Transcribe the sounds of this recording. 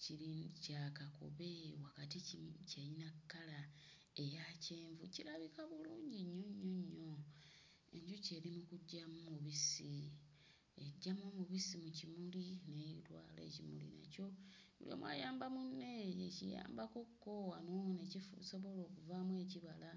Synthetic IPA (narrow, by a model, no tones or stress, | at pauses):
ciɾicaːkako̰βewakatiicejinakːala | e̞jace̞ːɱvuciɾaβikaβuluːɲɟiɲːoɲːoɲːo̞ | ḛɲɟuce̞ːɾimukuɟːamumuβisi | eɟːamomuβisimucimulinejitwa̰ːle̞̰ːcimṵlḭna̰co̞ | ṵljo̰mwa̰jaːmbamunːe̞ecḭja̰ːmbako̞kːo̞anonecifuso̞βo̞lo̞ːkuvamwe̞ːciβala